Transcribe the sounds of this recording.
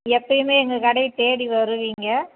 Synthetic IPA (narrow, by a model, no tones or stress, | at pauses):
ɛpːɐjɯmeːɛŋɡɐkɐɽɐɪt̪eːɽiʋɐɾɯʋiːŋɡɐ